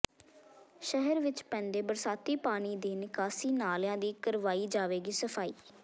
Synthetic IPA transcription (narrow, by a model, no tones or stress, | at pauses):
ʃəɦəɾʋɪt͡ʃpɛ̃ːnd̪eːbəɾsaːt̪iːpaːɽ̃iːd̪eːnɪkaːsiːnaːljãːd̪iːkəɾʋaːiːd͡ʒaːʋeːɡiːsəpʰaːiː